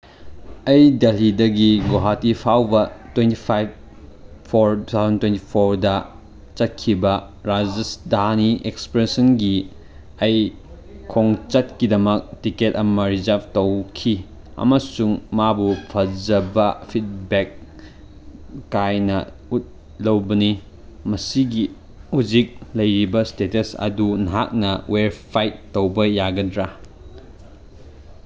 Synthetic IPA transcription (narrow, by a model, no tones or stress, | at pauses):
ɐjdɐlidɐɡiɡoɦatipʰawbɐtwentipʰajb̚ | pʰoɾtut̪ʰawzɐntwenti̥pʰoɾdɐ | t͡ʃɐt̚kʰibɐ | ɾad͡ʒesdaniʔekspɾesɐnɡi | ɐj | kʰoŋt͡ʃɐt̚kidɐmɐk̚tiket̚ɐmɐɾizɐp̚tɐwkʰi | ɐ̰mɐsuŋmabupʰɐd͡ʒɐbɐpʰit̚bek | ajnɐ | ut̚ | lɐwbɐni | mɐsiɡi | huzik̚lɐjɾibɐstetɐsɐ̰dunɦa̰k̚nɐweɾpʰajtːowbɐjaɡɐdɾa